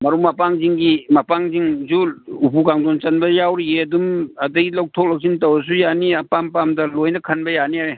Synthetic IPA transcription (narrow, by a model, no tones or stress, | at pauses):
mɐɾumɐpaŋziŋɡimɐpaŋziŋzuupukaŋdont͡ʃɐnbɐjawɾieɐdumɐdɐjlɐw̚tʰok̚lɐk̚sintɐwɐs̬ujaniɐpampamdɐlojnɐkʰɐnbɐjaniaɾe